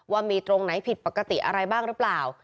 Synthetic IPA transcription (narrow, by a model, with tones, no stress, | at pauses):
waː˧˩miː˧t̪ɾo˧ŋna˨˦˥jpʰi˨˩t̪̚pa˨˩kːa˧t̪ḭ˨˩ʔa̰˧ɾa˧jbaː˥˩ŋɾɯ˦˥plaː˨˩w